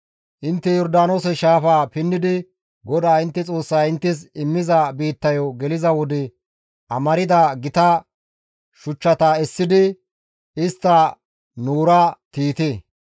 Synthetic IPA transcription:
ʔɪnt̪ːɛjɔɾd̪aːnoːsɛʃaːfaːpɪnːɪd̪ɪ | ɡɔd̪aːɪnt̪ːɛt͡sʼo̞ːsːaːɪnt̪ːɪs̬ɪmːɪzɐbiːt̪ːɐjɔɡɛlɪzɐwɔd̪ɛ | ʔɐmɐɾɪd̪aɡɪt̪ɐ | ʃʊt͡ʃːɐt̪ɐɛsːɪd̪ɪ | ɪst̪ːɐ | nuːɾat̪iːt̪e

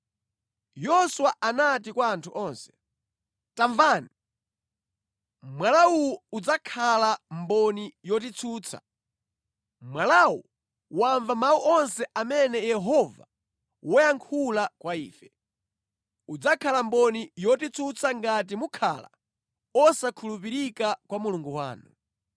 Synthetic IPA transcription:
jɔswaʔanat̬ikwaːntʰuʔɔːnsɛ̥ | taɱvaːni | mwalauwuud͡zakʰalambɔnijɔt̬it͡sʰuːt͡sʰa̰ | mwalawṵ | waɱvamawuʔɔnsɛʔamɛnɛjɛɦɔva̰ | wɔjaŋkʰulakwaiːfɛ | ud͡zakʰalambɔnijɔtit͡sʰut͡sʰaŋɡat̬imukʰa̰la̰ | ɔsakʰulupiɾikakwamuluŋɡuwa̰ːnu

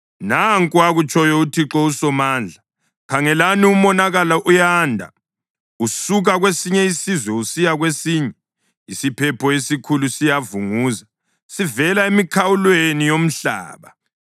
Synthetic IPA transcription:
naŋkʼuaɣut͡ʃʼɔjɔutʰiǁɔusɔmand͡ɮʱa | kʰaŋɛlaniumɔnaɣalaʔujandʱa̰ | usuɣaɣwesiɲɛisizwɛusijaɣwesiːɲɛ | isipʰɛpʰɔesikʰulusijavuŋuːza | sivɛlaemikʰawulwenijom̩ɬa̰ːβa

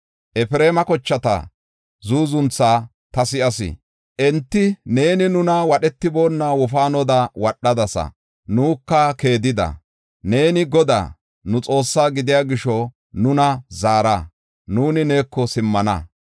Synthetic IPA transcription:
ʔɛfɪɾe̞ːmɐkɔt͡ʃːɐt̪ɐ̰ | zuːzʊnt͡sːaː | t̪ɐsɪʔɐsɪ̰ | ʔɛnt̪ːɪne̞ːnɪnʊnɐwɐɗɛt̪ːɪbo̞ːnːawɔfaːnɔd̪ɐwɐɗːɐd̪ɐsɐ̰ | nuːkːɐke̞ːd̪ɪd̪ɐ̰ | ne̞ːnɪɡɔd̪a̰ː | nʊt͡sʼo̞ːsːaːɡɪd̪ɪjaːɡɪʃɔ | nʊnɐzaːɾɐ | nuːnɪne̞ːkːɔsɪmːɐnɐ̰

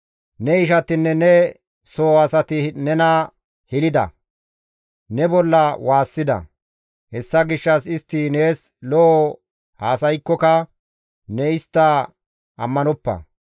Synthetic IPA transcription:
nɛɪʃɐt̪ɪnːɛnɛ | soːɐsɐt̪ɪnɛnɐ | hɪlɪd̪ɐ̰ | nɛbɔlːɐwaːsːɪd̪ɐ̰ | hɛsːɐɡɪʃːɐsɪst̪ːɪne̞ːs | lɔʔɔ | haːsɐjkːɔkɐ | nɛɪst̪ːɐ | ʔɐmːɐnɔpːɐ̰

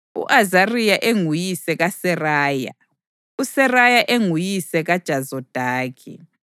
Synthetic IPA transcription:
ṵʔazarijaʔeŋujisɛɣasɛraːja̰ | usɛrajaʔeŋujisɛɣad̥ʒ̥ʱazɔd̥ʱaːkʰḭ

